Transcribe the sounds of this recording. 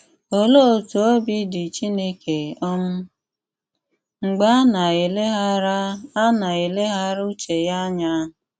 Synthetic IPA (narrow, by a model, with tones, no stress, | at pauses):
o˦lo˦˨tu˨o˦bi˦dɪ˨t͡ʃi˦ne˦kʰe˨ɔ˦m̩˦ | ŋ͡m̩˨ɡ͡ba˦na˨e˨le˦ɦa˦ɾa˦na˨e˨le˦ɦa˦ɾu˦t͡ʃe˨ja˦ɲa˦˨